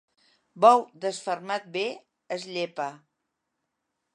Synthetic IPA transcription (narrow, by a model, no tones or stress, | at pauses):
bɔwd̪əsfərmat̪̚be | əzʎepə